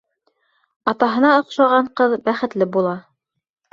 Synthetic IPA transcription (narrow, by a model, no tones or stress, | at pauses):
ɑt̪ɑɦɤ̆nɑŏqʃɑʁɑɴqɤðbæχɘ̆t̪lɘbulˠɑ